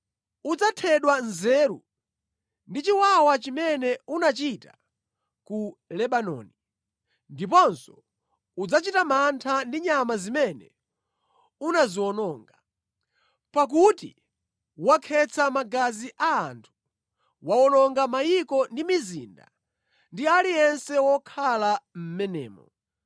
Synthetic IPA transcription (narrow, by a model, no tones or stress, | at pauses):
ud͡zatʰɛɗwanzɛɾṵ | ndit͡ʃiwawat͡ʃimɛnɛunat͡ʃita | kulɛɓanɔ̰ni | ndip̬ɔnsɔ | ud͡zat͡ʃitamantʰandiɲamazimɛnɛ̰ | unaziwɔnɔːŋɡa | pak̬utḭ | wakʰɛt͡sʰamaɡaziʔaːntʰu̥ | wawɔnɔŋɡamajikɔndimizḭːnda̰ | ndialijɛnsɛwɔkʰalam̩mɛnɛ̰ːmɔ̰